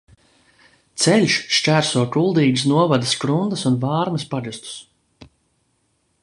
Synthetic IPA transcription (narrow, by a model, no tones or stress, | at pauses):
t̪sɛlʲʃʃt͡ʃæːɾsuɔkulˠd̪iːɡsnuɔvad̪ɐskɾund̪ɐsunvaːɾmɐspaʒɨst̪u̥s